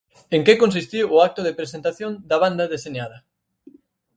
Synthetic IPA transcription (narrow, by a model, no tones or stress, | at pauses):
eŋkekonsist̪iwːak̚t̪ʊðepɾesent̪aθjond̪ɐβ̞and̪ɐðeseɲaðɐ